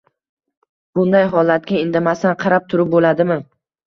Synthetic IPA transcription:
b̥ʊnd̪ajɦɒlˠat̪̚ɡʲaɪnd̪amasanqʰɑɾap̚t̪ʰʊɾɪp̚bolad̪ɪmɪ

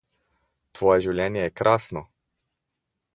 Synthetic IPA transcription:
t̪ʋɔːjɛʒiwljɛːnjɛjɛkɾʔaːsnɔ

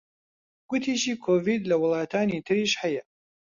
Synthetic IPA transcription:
ɡ̥ʊt̪ʰiʃiːkʰoːviːd̪lɐwʊlˠɑːt̪ʰaːnit̪ʰɨɾiːʃhɐjɐ

